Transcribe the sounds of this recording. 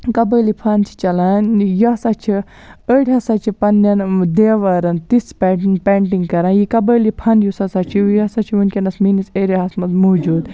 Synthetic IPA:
kɐbəːlipʰɐnt͡ʃʰi̥t͡ʃɐlaːnjɐsɐt͡ʃʰi | əɽʲɦɐsɐt͡ʃʰipɐnːjɐnd̪eːʋɐɾɐnt̪ispeiŋɡpeɳʈ̬iŋɡkɐɾãːnjikɐbəlipʰɐnjusɐsɐt͡ʃʰijɐsɐt͡ʃʰiʋunkʲenɐsminiseɾiɦɐsmɐzmod͡ʒuːd̪

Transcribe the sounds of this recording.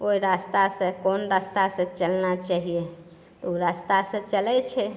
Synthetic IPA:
oiɾast̪asə̃konɾast̪asə̃t͡ʃəlnat͡ʃaɦije | t̪uɾast̪asə̃t͡ʃəlɛt͡ʃʰɛ

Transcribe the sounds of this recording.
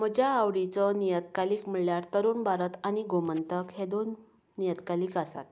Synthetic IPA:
məd͡ʑʱjaawɽit͡sɔnijət̪kaliːkm̤əɭljaɾt̪əɾuːnbʱaɾət̪añiɡomənt̪əkɦed̪onː | ijət̪kaliːkasa̰t̪̚

